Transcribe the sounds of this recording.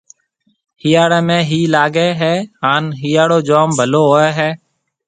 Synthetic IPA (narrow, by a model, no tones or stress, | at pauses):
hiːjaːɽeːmẽːɦiːlaːɡeːɦɛːɦaːnɦiːjaːɽoːd͡ʒoːmbʱəloːɦoːeːɦɛː